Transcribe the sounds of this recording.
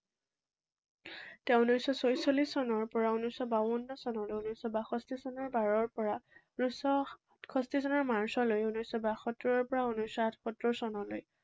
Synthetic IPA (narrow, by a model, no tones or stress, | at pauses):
tɛ̃unusːɔsojsolisːɔnɔɹpɔɹaunusːɔbawunːɔsɔnɔlojunisːɔbaxʰɔstisɔnɔɹbaɹɔɹpɔɹa | nusɔ | tʰkʰɔstisɔnɔɹmaɹsɔlojunujsːɔbaxɔtɹɔɹpɔɹaunusːɔatʰkɔtɹɔsɔnɔlo̰j